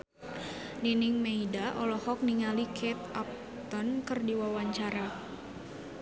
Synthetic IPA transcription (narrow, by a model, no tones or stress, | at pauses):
ninɪŋmeidaʔɔlɔhɔk̚niŋalikʰɛt̪̚ap̚ | t̪ɔnkɨrdiwawaɲt͡ʃaɾa